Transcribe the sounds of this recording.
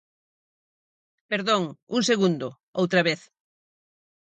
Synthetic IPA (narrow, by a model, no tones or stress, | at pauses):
peɾðõŋuŋseɣund̪ʊ | owt̪ɾɐβeθ